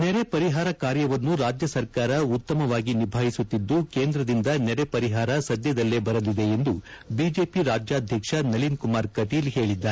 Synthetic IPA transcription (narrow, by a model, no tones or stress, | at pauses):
nɛɾe̞pɐɾiɦaːɾɐkaːɾjɐʋɐnːuɾaːd͡ʒjɐsɐɾkaːɾɐut̪ːɐmɐʋaːɡinibʱaːɦisut̪ːid̪ːuke̞ːnd̪ɾɐd̪ind̪ɐnɛɾe̞pɐɾiɦaːɾɐsɐd̪jɐd̪ɐlːe̞bɐɾɐlːid̪e̞end̪ubiːd͡ʒeːpiɾaːd͡ʒjaːd̪ʱjɐkʂɐnɐlinkumaːɾkɐʈiːlɦe̞ːɭid̪ːaːe